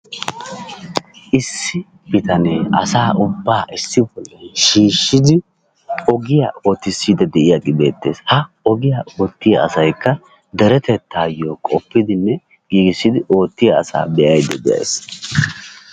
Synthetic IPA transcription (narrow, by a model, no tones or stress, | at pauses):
ʔɪsːɪ | bɪt̪ɐneʔɐ̰saːʔʊbːaːʔɪsːɪbɔlːɐjʃiːʃːɪd̪ɪ | ɔɡɪjɐ̰o̞ːt̪ːɪsːiːd̪ɐd̪ɛʔɪjaɡʼɪbe̞̰ːt̪ːe̞̰ːshɐ | ɔɡɪjɐʔoːt̪ːɪjɐːsɐjkːɐ | d̪ɛɾɛt̪ɛt̪ːaːjːokʼɔpːɪd̪ɪnːɛ | ɡ̥iːɡɪsːɪd̪ɪʔo̞ːt̪ːɪjɐ̰ːsa̰ːbɛʔɐjd̪ɛ̰d̪ɛjɐ̰js